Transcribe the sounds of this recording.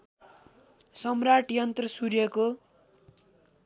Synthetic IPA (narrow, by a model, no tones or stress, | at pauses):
sʌmraʈijʌnt̪rʌsurjʌko